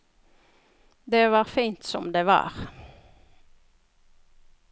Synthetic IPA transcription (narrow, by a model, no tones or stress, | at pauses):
d̪eːʋɑːʁfiːnt̪sɔmd̪eːʋɑ̰ːʁ